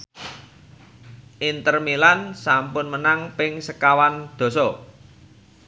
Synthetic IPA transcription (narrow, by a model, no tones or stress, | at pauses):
ʔint̪ərmilansampʊnmənaŋpɪŋsəkawand̪̥o̤sɔ